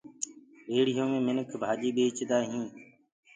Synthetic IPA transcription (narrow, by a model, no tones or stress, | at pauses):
ʋeːɽɪjõːmẽːmɪnəkʰbʱaːʄiːɓeːt͡ʃd̪aːɦĩː